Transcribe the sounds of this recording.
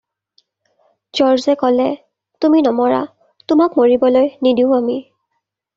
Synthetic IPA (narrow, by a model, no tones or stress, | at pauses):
d͡ʒɔɹzɛkɔlɛ | tuminɔmɔɹa̰ | tʊmakmoɹibɔlojnidiʊ̃ami